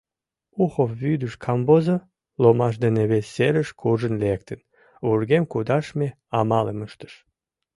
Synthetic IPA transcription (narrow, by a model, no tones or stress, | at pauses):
uχofːyd̪yʃkʰɑmbozo | lomɑʃ̬d̪eneβesːeɾəʃkʰuʒənlek̚t̪ən | urɡemkud̪ɑʃmʲe | ɑmɑlḛməʃt̪ə̥ʃ